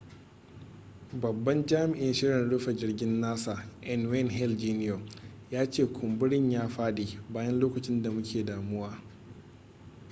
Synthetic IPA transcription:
bɐ˨bːɐ˦nd͡ʒaː˦mɪ˨ʔɪ˦nʃɪ˦ɾjɪ˨nɽʊ˦ɸɐ˨d͡ʒɪ˦rɡʲɪ˦nːaː˦saː˨ʔɛ˦nwɛ˦˨nɦɛ˦ld͡ʒiː˦nɪ˦o˨ | jaː˦t͡ʃeː˦˨kʷʰʊ˨mbʊ˦ɽɪ˦ɲjaː˦ɸaː˦diː˨baː˦jɐ˦nloː˦kɐ˨t͡ʃɪ˦nda˨mʊ˦kʲʰeː˨daː˨mʊ˦waː˦

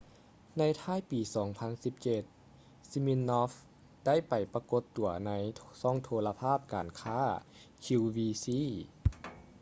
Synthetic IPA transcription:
na˧˥jt̪ʰaː˥˩˨jpiː˨˩sɔː˩˦ŋpʰa˧˥nsi˧˦p̚t͡ɕe˧t̪̚ | si˧mi˧˥nːɔː˧˥f | d̥a˥˩jpa˨˩jpa˧ko˧˦t̪ːu˨˩ɐna˧˥jsɔː˥˩ŋt̪ʰoː˧la˧pʰaː˥˩p̚ka̰ː˨nkʰaː˥˩kʰi˧wwiː˧siː˧˥˨

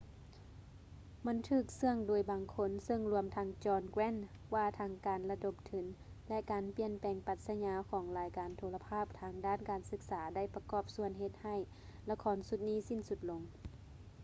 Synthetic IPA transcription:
ma˧˥˨nt̪ʰɯː˧˩k̚sɯ˧əŋdoː˨˩jbaː˨˩ŋkʰo˧˥nsɤ˧ŋlu˧əmt̪ʰa˧˥ŋt͡ɕɔː˧nkwɛː˧˥˨n | waː˧t̪ʰaː˧˥ŋkaː˨nla˧do˧˦p̚t̪ʰɯ˨˩˦n | lɛ˧ʔkaː˨˩npi˧˩ənpɛː˨˩ŋpa˧t̪̚sa˧ɲaː˧˥kʰɔː˨˩˦ŋlaː˨˦jkaː˨˩nt̪ʰoː˧la˧pʰaː˥˩p̚t̪ʰaː˧˥ŋdaː˧˥˨nkaː˨˩nsɯ˧˥k̚saː˨˦da˧˩jpa˧kɔː˧˩p̚su˧˩ənɦe˧t̪̚ha˧˩˨j | la˧kʰɔː˨˦˥nsu˧˦t̪̚niː˥˨si˧˥˨nsu˧˦t̪̚lo˨˦ŋ

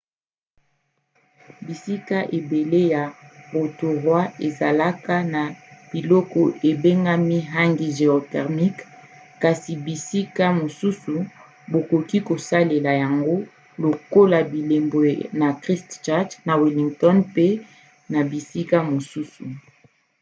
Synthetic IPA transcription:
bi˨si˦ka˦ʔe˨be˨le˦ja˨bo˨to˨ʁwa˦e˨za˨la˦ka˦na˨b̥i˨lɔ˦kɔ˨ʔe˨be˦ŋɡa˦mi˦ɦa˦ŋɡi˦ʒe˨o˨tɛ˨ʁmi˦k | ka˨si˨bi˨si˦ka˦mo˨su˦su˨ | bo˨ko˨ki˦ko˨sa˦le˨la˨ja˨ŋɡo˦ | lo˨ko˦la˨bi˨le˨mbwe˨na˨kʁi˦stt͡ʃa˦dna˨wi˨li˨ŋɡtɔ˦npe˦ | na˨bi˨si˦ka˦mo˨su˦su˨

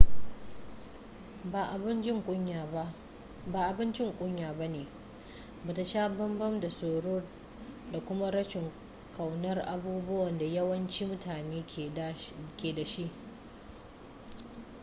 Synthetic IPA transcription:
ba˨ʔa˨bɪ˦nt͡ʃɪ˦ŋkʷʼʊ˦a˨a˦ | baː˨ʔa˨bɪ˦nt͡ʃɪ˦ŋkʷʼʊ˦ɲjaː˨ba˦neː˨ | baː˨ta˨ʃaː˦bɐ˦mbɐ˦mda˨soː˨ɽo˦r | da˨kʷʊ˦ma˦ɽɐ˦ʃɪ˨ŋ | ka˨wnɐ˦rʔa˨buː˦bʊ˦wɐ˨nda˨jɐ˦wɐ˦nt͡ʃiː˦mʊ˦tʰaː˨neː˦˨kʲeː˨da˨ʃi˦ʔ

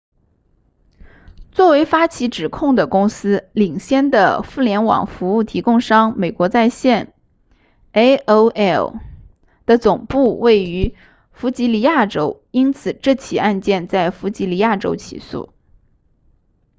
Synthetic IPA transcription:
t͡swɔ˥˩we˧˥ɪfa˥t͡ɕʰi˧˥ʈ͡ʂɻ̩˨˩kʰʊ˥˩ŋd̪ə˩kʊ˥ŋsɹ̩˥li˨˩ŋɕjɛ˥˩nd̪ə̰˨fu˥˩ljɛ˧˥nwɑ̰˨˩ŋfu˧˥u˥˩t̪ʰi˧˥kʊ˥˧ŋʂɑ˥ŋme˨˩ɪkwɔ˧˥t͡sa˥˧ɪɕjɛ˥˩n | e˥ɪʔo˥ʊɛ˥˩l | d̪̥ə˨t͡sʊ˨˩ŋpu˥˧we˥˩ɪy˧˥ | fu˧˥t͡ɕi˧˥li˧˥ja˥˩ʈ͡ʂo˥ʊ | i˥nt͡sʰɹ̩˨˩ʈ͡ʂɤ˥˩t͡ɕʰi˨˩a˥˧nt͡ɕjɛ˥˧nt͡sa˥˩ɪfu˧˥t͡ɕi˧˥li˧˥ja˥˩ʈ͡ʂo̰˥ʊt͡ɕʰḭ˨˩sṵ˥˩

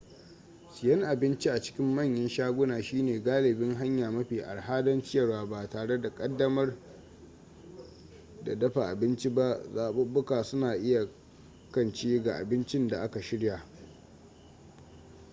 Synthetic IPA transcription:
sɪ˨jɐ˦ŋʔa˨bɪ˦nt͡ʃi˦ʔa˨t͡ʃɪ̥˦kʲɪ˦mːɐ˦˨ɲjɐ˦nʃaː˦ɡʷʊ˦naː˨ʃiː˦neː˨ɡaː˦lɪ˨bɪ˦ŋɦa˦ɲjaː˨mɐ˦ɸiː˨ʔa̰˨ɽɦaː˦dɐ˦nt͡ʃɪ˦jɐ˨rwaː˨ba˨taː˨ɽe˦da˨kʼɐ˦dːɐ˦mɐ˦r | da̰˨dɐ˦ɸa˨ʔa˨bɪ˦nt͡ʃi˦ba˦ʔzaː˨ɓʊ˦bʊ˦kaː˨sʊ˦naː˨ʔɪ˦ja˨ | kɐ˦nt͡ʃiː˦ɡa˨ʔa̰˨bɪ˦nt͡ʃɪ˦nda˨ʔa˦ka˨ʃɪ˦ɽja˨

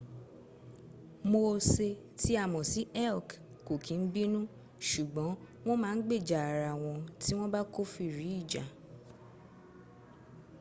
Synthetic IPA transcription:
mo˧se˧ | tʰi˦a˦˨mɔ̃˨si˨˦ɛ˦˨k | ko˨kʰĩ˨˦n̩˦bi˦nũ˦ | ʃu˨ɡ͡bɔ̃˨˦ | w̃ɔ̃˦mãː˦˧n̩˦ɡ͡be˦˨d͡ʒa˨a˨ɾa˨w̃ɔ̃˧ti˦w̃ɔ̃˦ba˦ko˦fi˦˨ɾi˨˦i˦˨d͡ʒa˨

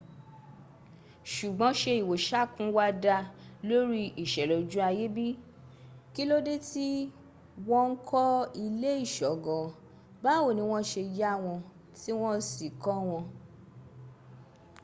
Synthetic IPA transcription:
ʃu˨ɡ͡bɔ̃˨˦ʃe˧i˨wo˨ʃa˦˨kũ˦wa˧da˧lo˦ɾi˦i˨ʃɛ˨lɔ˨d͡ʒũ˦a˧je˦bi˦ | ki˦lo˦de˦ti˦ | wɔ̃˦ŋ̩˦kʰɔ˦i˧le˦i˦˨ʃɔ˨˦ɡɔ̃˨ | ba˦wo˦˨nĩ˨˧˦w̃ɔ̃˦ʃe˧ja˦˨w̃ɔ̃˧ | ti˦w̃ɔ̃˦si˨kɔ˦w̃ɔ̃˧

